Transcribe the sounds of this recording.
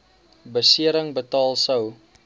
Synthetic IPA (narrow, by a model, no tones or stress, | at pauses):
bəsiəɾəŋbətɑːlˠsəw